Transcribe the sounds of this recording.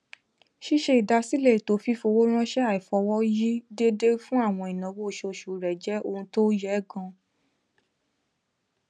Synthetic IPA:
ʃi˦ʃe˧i˨da˧si˦le˦˨to˨˦fi˦fo˧wo˦ɾ̃ã˦ʃɛ˦a˨i˨fɔ˧wɔ˦ji˦de˦de˦fũ˦a˦˨w̃ɔ̃˧i˨nã˨˦wo˦˨ʃo˧˨ʃu˨ɾɛ˨d͡ʒɛ˨˦o˧ũ˧to˦jɛ˨˦ɡɔ̃˧

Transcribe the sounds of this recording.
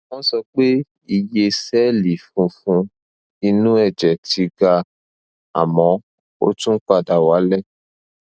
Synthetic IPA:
wɔ̃˦sɔ˧k͡pe˦ | i˧˨je˧sɛ˦li˨fũ˧fũ˧ | i˧nũ˦ɛ˦˨d͡ʒɛ˨ti˧ɡa˧ | a̰˨mɔ̃˨˦ | o̰˦tũ˦k͡pa˧da˨wa˨˦lɛ˦˨

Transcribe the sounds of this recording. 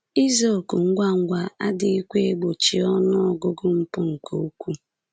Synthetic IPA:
i˦zo˦˨kʊ˨ŋ̩˦ɡʷa˦ŋ̩˦ɡʷa˨a˦dɪ˦i˦kʷe˦e˦ɡ͡bo˨t͡ʃi˨ɔ˦nʊ˦ɔ˨ɡʊ˦ɡʊ˦m̩˦pʊ˦ŋ̩˨ko˨u˦kʷu˦

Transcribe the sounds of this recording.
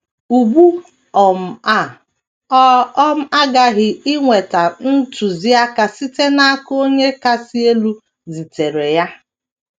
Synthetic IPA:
u˨bu˦ | ɔ˨m̩˨˦ | ɔ˦m̩˦a˦ɡa˦ɣɪ˨ɪ˦ŋʷe˨ta˨n̩˦tu˨zi˦a˦ka˨si˦te˦na˦ko˦ɲe˦ka˦si˦e˦lu˦ | zi˨te˨ɾe˨ja˦

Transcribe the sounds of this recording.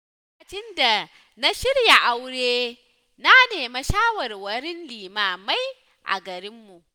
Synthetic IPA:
kɐ˨t͡ʃɪ˦nda˨ | na˦ʃɪ˦rja˨ʔa˦wɽeː˦ | na˦neː˨ma˦ʃaː˦wɐ˨rwɐ˦ɾɪ˦nliː˨maː˦˨ma˦j | ʔa̰˨ɡɐ˨ɾɪ˦mːu˨ʔ

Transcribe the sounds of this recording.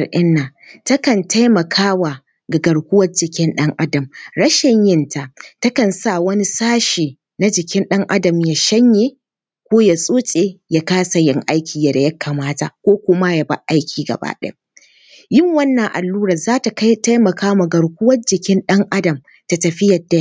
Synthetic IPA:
rʔɪ˦nːaː˨tɐ˦kɐ˨nta˦jmɐ˨kʰaː˦wa˨ | ɡa˨ɡɐ˨ɽkʷʊ˦wɐ˦rd͡ʒɪ˨kʲɪ˦nɗɐ˦ŋʔa˦dɐ˨mɽɐ˦ʃɪ˨ɲjɪ˦ntʰa˨tɐ˦kɐ˨nsa˦˨wɐ˦ni˦saː˦ʃiː˨ | na˦d͡ʒɪ˨kʲɪ˦nɗɐ˦ŋʔa˦dɐ˨mjaː˨ʃɐ˦ɲjeː˦˨ | kʷoː˦ja˨sʼoː˦t͡ʃʼe˨ja˦kaː˦sa˨jɪ˦ŋʔa˦jkʲiː˨ja˨da˨jɐ˦kʰːa˨maː˦ta˨kʷoː˦kʷʊ˦ma˦ja˨ba̰˦ʔa˦jkʲʰiː˨ɡɐ̰˨ba̰ː˦ɗḛ˦ | jɪ˦ŋwɐ˦nːɐ˨ŋʔa˨lːuː˦ɽɐ˨zaː˦ta˨ka˦ta˦jmɐ˨kaː˦wa˨ɡɐ˨ɽkʷʊ˦wɐ˦rd͡ʒɪ˨kʲɪ˦nɗɐ˦ŋʔa˦dɐ˨m | ta˨tɐ˨ɸɪ˦jɐ˨da˨j

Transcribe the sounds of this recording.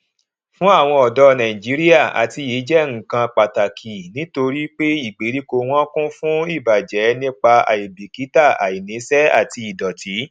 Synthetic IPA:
fũ˦a˦˨w̃ɔ̃˧ɔ˨dɔ˧nã˨ĩ˨d͡ʒi˨˦ɾi˦a˦˨a̰˨ti˨˧ji˨˦d͡ʒɛ˦ŋ̩˨kã˧k͡pa˨ta˨kʰi˨nĩ˦to˧ɾi˦k͡pe˦i˦˨ɡ͡be˨˦ɾi˦ko˧w̃ɔ̃˦kũ˦fũ˦i˦˨ba˨d͡ʒɛ˨˦nĩ˦k͡pa˧a̰˨i˨bi˨ki˨˦ta˦˨a̰˨i˨nĩ˨˦sɛ˦a̰˦˨ti˧i˨dɔ˨tʰi˨˦

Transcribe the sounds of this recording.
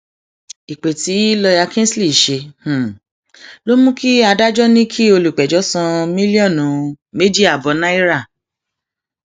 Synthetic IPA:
i˨k͡pe˨ti˨˦lɔ˧ja˧kɛ̃˦sli˦˨ʃe˧h̩˨ | lo˦mũ˦ki˦a˧da˦d͡ʒɔ˦nĩ˦kʰi˦o˧lu˨k͡pɛ˨d͡ʒɔ˨˦sã˧mĩ˦li˦ɔ̃˦˨nũ˨˦ | me˦di˦a˨bɔ˨˧nã˦i˦ɾa˦˨

